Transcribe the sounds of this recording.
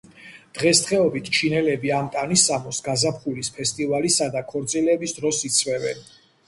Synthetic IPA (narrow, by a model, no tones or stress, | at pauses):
d̪̥ʁɛst̪χɛɔbit̪ʰt͡ʃʰinɛlɛbiamt̪ʼanisamɔsɡazapʰχulispʰɛst̪ʼivalisad̪akʰɔɾt̪sʼilɛbisd̪ɾɔsit̪sʰvɛvɛ̰n